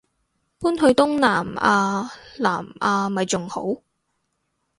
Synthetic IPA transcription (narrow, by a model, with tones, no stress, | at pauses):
puː˥nhɵ˧ɥt̪ʊ˥ŋnaː˨˩maː˧la̰ː˨˩maː˧mɐ˨jt͡sʊ˨ŋho̰˨˥w